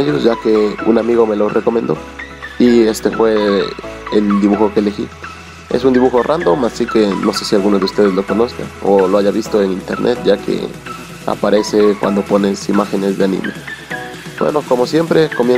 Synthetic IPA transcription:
eʝo̞sʝake̞unamiɣo̞me̞lo̞rʔe̞ko̞mẽ̞nd̪o̞̰ | ie̞st̪e̞fwe̞ | eld̪iβuxo̞keːle̞xḭ | e̞̰sund̪iβuxo̞rʔand̪o̞masike̞no̞se̞sialɣunoðeust̪e̞ðezlo̞ko̞no̞ska̰oloaʝaβist̪o̞eŋint̪e̞̰ɾnʔet̪̚ʝakʰe̞̰ | a̰paɾe̞se̞kwa̰nd̪o̞po̞ne̞simaxe̞ne̞zðeanḭ̃me̞̰ | bwḛno̞ko̞mo̞sje̞mpɾe̞ko̞mje

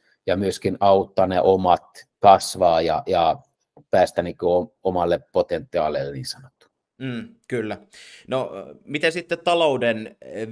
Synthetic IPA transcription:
jɑmyøskinɑut̪ːɑneʔomɑt̪kɑsʋɑːjɑ̰jɑ | pæːst̪æniːkøoomɑlːeppot̪ent̪ːˑiɑ̰leːlːeniːnsɑnot̪ːu̥ | mm̩ːkylːænomit̪esit̪ːett̪ɑlouden

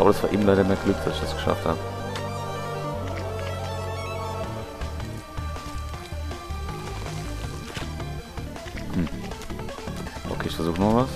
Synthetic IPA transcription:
ʔaːbəɾasv̥aːɐʔiːmlaɪɾɐmeːɐɡ̥lʏk̚d̥asɪçd̥asɡ̥ə̥ʃa̰ftha̰ːbə | hm̩ | ʔo̰kʰeːɪʃfɛɐzuːχənova

